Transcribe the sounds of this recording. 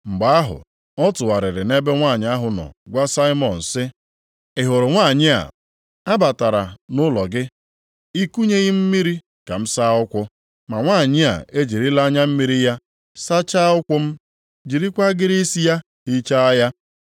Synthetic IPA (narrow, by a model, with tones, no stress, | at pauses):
ŋ͡m̩˨ɡ͡ba˨˦a˦ɦʊ̰˨ | ɔ˦tʊ˨wa˨ɾɪ˨ɾɪ˨ne˦be˦ŋʷa˦˨ɲɪ˨a˦ɦʊ˨nɔ̰˨ɡʷa˦sa˦i˦mɔ˨n̩˨sɪ˦ | ɪ˨ɦʊ˨ɾʊ˨ŋʷa˦˨ɲɪ˦a̰˨ | a˦ba˨ta˨ɾa˨nʊ˦lɔ˨ɡɪ˦ | i˦ku˦ɲe˦ɣɪ˦m̩˦mi˦ɾi˦ | ka˨m̩˦sa˦ʊ˦kʷʊ˦ | ma˨ŋʷaː˦˨ɲɪ˦a̰˨e˦d͡ʒi˨ɾi˦la˦ɲa˦m̩˦mi˦ɾi˦ja˦ | sa˦t͡ʃa˦ʊ˦kʷʊ˦m̩˦ | d͡ʒi˨ɾi˦kʷa˦ɡɪ˦ɾi˦si˦ja˦ | hi˦t͡ʃa˦a˦ja˦